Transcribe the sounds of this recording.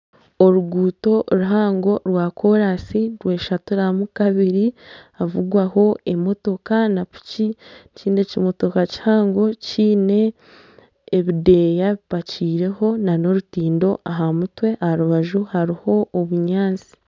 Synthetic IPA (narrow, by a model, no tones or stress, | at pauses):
o̞ɾuɡuːto̞ɾuɦaːŋɡo̞ɾwaːkʰo̞ɾasiɾwe̞ːʃatuɾamukaβiɾiavuɡwaho̞e̞mo̞to̞kanapu̥ciciːne̞cimo̞to̞kaci̥haːŋɡo̞ciːne̞ː | βide̞ːjaβipaciːɾe̞ho̞nano̞ɾutiːndo̞ʔaɦamutwe̞ʔahaɾuβaʒuhaɾiho̞ːβuɲaːnt͡si̥